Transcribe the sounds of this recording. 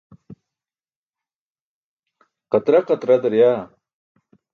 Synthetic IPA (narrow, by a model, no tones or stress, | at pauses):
qɐt̪ɾaqɐt̪ɾɐd̪ɐɾjaː